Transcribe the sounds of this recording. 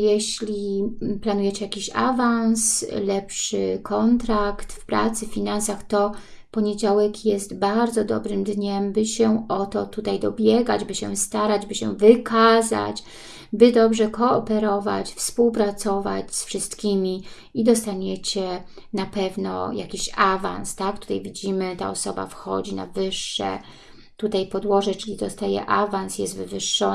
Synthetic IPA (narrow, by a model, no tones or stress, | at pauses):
jɛɕlʲiplanujɛt͡ɕɛjakʲiɕa̰vanslɛpʂɘ̰kʰɔnt̪ɾakt̪fpɾa̰t̪sɘfʲinansaxt̪ɔ | pɔɲed͡ʑawɛkjɛst̪baɾd̪zɔd̪ɔ̰bɾɘmd̪ɲɛmbɘɕɛʔɔt̪ɔt̪ut̪ajd̪ɔbʲjɛɡad͡ʑbɘɕɛ̰st̪aɾad͡ʑbɘɕɛ̰vɘkʰaza̰t͡ɕ | bɘd̪ɔbʐɛkɔːpɛɾɔvat͡ɕfspuwpɾat̪sɔva̰t͡ɕsfʂɘst̪kʲimʲi | id̪ɔst̪aɲɛt͡ɕɛ | napɛvnɔ̰ja̰kʲiɕava̰nst̪ak̚t̪u̥t̪a̰jvʲid͡ʑimɘt̪a̰ɔsɔba̰fxɔ̰d͡ʑina̰vɘʂːɛ̰ | t̪ut̪ajpɔd̪wɔʐɛt͡ʂɘlʲid̪ɔst̪ajɛ̰ʔavansjɛst̪vɘvɘʂːɔ